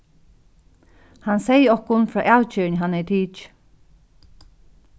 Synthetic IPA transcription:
hansɛjəɔhkʊnfɾɔːʔawt͡ʃʏːnəɦanːɛt̪ʰiːt͡ʃ

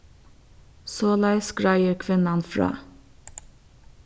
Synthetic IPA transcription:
soːlæɪskɹɑɪəɾkʰʋɪnɑnfɾɑ̰ː

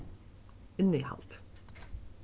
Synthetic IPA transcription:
ɪnihɑ̰lt̪

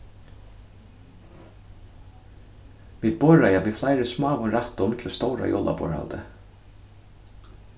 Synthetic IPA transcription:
ʋid̪̚bɔɹajaʋiːflajɾɪsmɑːʋʊnɾat̪ːʊmt̪ʰlst̪ɔwɾa̰jʔɔ̰ːlʔa̰bɔ̰ɹha̰lt̪ə

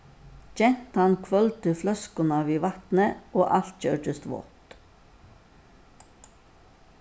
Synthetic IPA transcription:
d͡ʒɛnt̪ɑnkʰʋœlt̪əflœskʊnɑʋiːʋɑt̪nəoːʔɑlt̪c͡çœːʈəst̪ʋo̰t̪

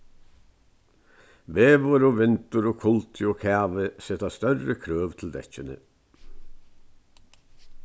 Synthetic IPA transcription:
ʋeːʋɔɾoːʋɪnt̪ʊɾoːkʰʊlt̪ʰɪoːkʰæːʋəset̪ɑst̪œɾəkʰɾøːʋt̪ʰl̩d̪ɛ̰c͡çənə̰

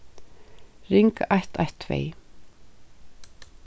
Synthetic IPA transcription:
ɾɪŋkaht̪ʰaht̪ʰːvḛɪ

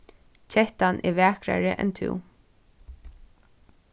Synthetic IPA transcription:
t͡ʃʰɛht̪anʔɛʋɛːkɾa̰ɹəʔɛ̰nt̪ʰɪ̰w

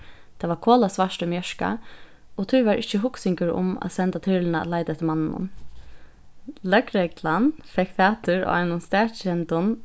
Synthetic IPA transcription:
t̪ʰaːʋaɹkʰoːlasʋaʂtʊmjœʃka̰ | ɔt̪ʰujʋaɹʔɪçt͡ʃəɦʊksɪŋkəɾʊ̰ma̰sɛnt̪at̪ʰʏlɪna̰laɪt̪aɛt̪ɪlmanːnʊ̰n | lœkɹɛklanfɛkfæːt̪ʏɹ̰a̰ɪnʊnst̪æːɹt͡ʃɛnt̪ʊn

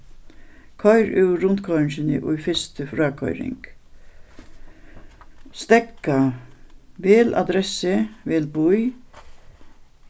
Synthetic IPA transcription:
kʰɔʏɾɪɾʊnt̪kʰɔʏɾnsɪnɪ̰ʔʊjfɪst̪əfɾaːkʰɔ̰ʏɾɪ̰ŋk | st̪ɛkːa | ʋeːla̰d̪ɾɛsɪʋeːlbʊj

